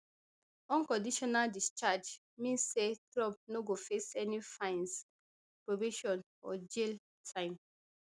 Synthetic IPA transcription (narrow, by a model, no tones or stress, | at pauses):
ɔ̃nkɔ̃ndiʃɔnaldist͡ʃad͡ʒ | mĩnsːetɹɔb̚noɡofesɛnifãɪ̃ns | pɹobiʃɔ̃n | ɔd͡ʒel | tʰãɪ̃m